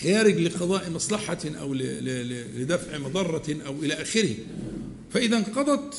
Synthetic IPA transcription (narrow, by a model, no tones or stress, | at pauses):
xaːɾɪɡlɪqɑd̪ˤɑːʔmɑsˤlɑħɑʔa̰wl | lɪd̪afʕmɑd̪ˤɑrˤːɑʔawʔɪlaʔaːxɪɾɪh | faʔɪðanqɑd̪ˤɑt̪